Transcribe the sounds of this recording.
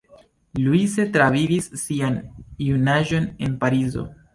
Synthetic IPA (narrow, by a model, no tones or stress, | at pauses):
luise̞tɾavivisːianiunaʒo̞ne̞npaɾizo̞̰